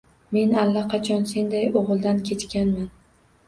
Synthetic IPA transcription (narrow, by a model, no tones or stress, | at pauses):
me̞nalːaqʰɑt͡ʃʰɒnse̞nd̪ajoʁɨlˠd̪ankʲʰe̞t͡ʃkʲanman